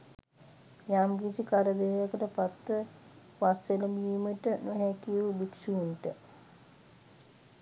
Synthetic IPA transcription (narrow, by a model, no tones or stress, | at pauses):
jaːmɡisikaɾəd̪eːjakəʈəpat̪ːə | ʋaseləmiiməʈənuɦɛkiubiksuunʈə